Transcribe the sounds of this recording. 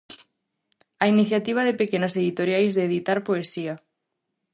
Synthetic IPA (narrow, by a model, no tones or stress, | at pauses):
ainiθjat̪iβ̞aðepekenaseðit̪oɾjajzðeːðit̪aɾpoesia